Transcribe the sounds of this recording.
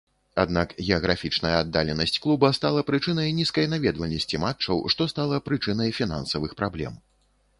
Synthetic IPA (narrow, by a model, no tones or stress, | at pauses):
a̰d̪nakɣʲɛɐɣɾafʲit͡ʂnɐjɐad̪ːa̰lʲɛnɐsʲt͡sʲklˠubɐst̪alˠɐpɾɨt͡ʂɨnɐjnʲiskɐjnavʲɛd̪vɐlʲnɐsʲt͡sʲimat͡ʂːɐwʂt̪ɔst̪alˠɐpɾɨt͡ʂɨnɐjfʲina̰nsɐvɨxpɾablʲɛ̰m